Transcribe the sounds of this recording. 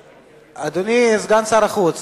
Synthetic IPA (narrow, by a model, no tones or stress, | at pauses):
ad̪unizɡansaɾaχut͡s